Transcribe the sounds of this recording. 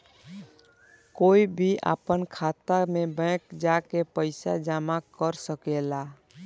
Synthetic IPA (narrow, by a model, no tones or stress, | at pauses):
koibʱiʔa̰pənkʰat̪amebɛ̃kd͡ʒakepəɪsa̰d͡ʒamakəɾsəkela